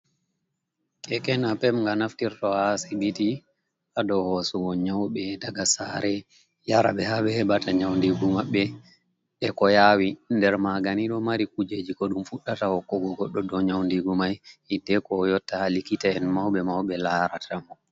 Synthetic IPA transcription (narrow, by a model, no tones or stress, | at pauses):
kɛkɛnapɛmŋɡanaftiɾtɔhasibiti | ʔadɔhɔsuwɔɲawɓɛdaɡasaɾɛ | jaɾa̰ɓɛhaɓɛhɛbataɲawndiɡumaɓːɛ | ɗɛkɔjawindɛɾmaɡaniɗɔmaɾikud͡ʒed͡ʒikɔɗumfuɗːatawɔkːɔɡɔɡɔɗːɔɗɔɲawndiɡumajhidɛkɔːjɔtːahalikitaɛnmawɓɛmawɓɛlaːɾatʰamɔ